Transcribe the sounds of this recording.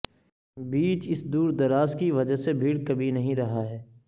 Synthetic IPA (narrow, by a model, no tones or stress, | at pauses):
biːt͡ʃɪsd̪uːɾd̪ɐɾaːskiʋɐd͡ʒəɦsebʱiːɽkɐbʱinɐɦĩɾɐɦaɦɛː